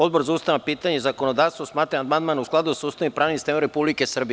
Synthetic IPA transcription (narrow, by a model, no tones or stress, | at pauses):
o̞d̪̚boɾzaust̪aʋapiːt̪aɲezako̞nod̪aːʋst̪ʋosmaːt̪ɾaand̪mand̪manusklˠad̪usust̪aʋimpɾaːʋnimst̪emoɾepublikesr̩bi